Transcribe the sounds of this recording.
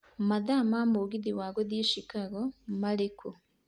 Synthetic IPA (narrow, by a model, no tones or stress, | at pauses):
maðaːmaːmuɡiðiwaːɡoðiːʃikaɣomalekʰo